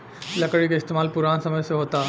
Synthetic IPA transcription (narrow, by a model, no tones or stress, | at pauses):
lɐkəɽikaɪst̪eːmaːlpuɾaːnsɐməjseɦoːt̪a